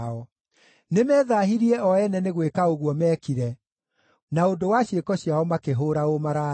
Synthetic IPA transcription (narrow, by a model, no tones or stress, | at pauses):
ɔ | nemɛːðaːɦiɾiɛʔɔɛnɛneɣwekaoɣwɔmɛːkiɾɛ | naondowaɕjekɔɕjaɔmakeɦoɾaomaɾa